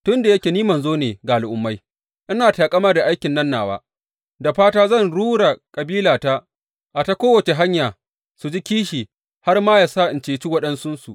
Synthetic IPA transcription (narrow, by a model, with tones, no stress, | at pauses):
tʊ˦nda˨jɐ˦kʲeː˨niː˦mɐ˨nzoː˦neː˨ɡaː˨lʔʊ˨mːa˦j | ʔɪ˦naː˨taː˨kʼɐ˦maː˦da˨ʔa˦jkʲɪ˨nːɐ˦nːaː˨wa̰ː˦ | da˨ɸaː˦taː˦zɐ˦˨nɽuː˦ɽa˨kʼɐ˨biː˦laː˨ta˦ | ʔa˨ta˦kʷoː˦wɐ˨t͡ʃe˨ɦa˦ɲjaː˨ | su˨d͡ʒi˦kʲiː˦ʃiː˨ | ha˦rmaː˦jaː˨sa˦ʔɪ˨nt͡ʃeː˨t͡ʃiː˦wɐ˦ɗɐ˦nsʊ˦nsu˨ʔ